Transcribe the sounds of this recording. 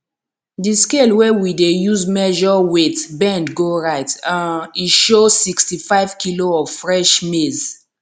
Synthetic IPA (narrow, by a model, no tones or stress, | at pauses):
diskelwɛwidejuzmɛʒɔwetbɛ̃ndɡoɹaɪtãniʃosikstifaɪvkiloɔvfɹɛʃmez